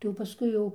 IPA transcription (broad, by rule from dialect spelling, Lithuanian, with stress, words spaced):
tɐɪ jɛʊ pɐˈskʊɪ jɛʊ